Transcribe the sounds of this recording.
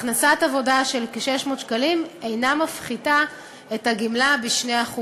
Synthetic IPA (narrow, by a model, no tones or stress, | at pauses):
χnasatavo̞daʃe̞lkʃeʃmo̞ːtʃkalimejnamafχida | etaɡimlabiʃneaχu